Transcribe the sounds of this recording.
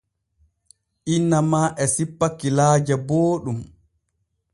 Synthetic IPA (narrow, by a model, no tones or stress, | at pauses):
ʔinːamaːʔɛsipːakːilaːd͡ʒaboːɗum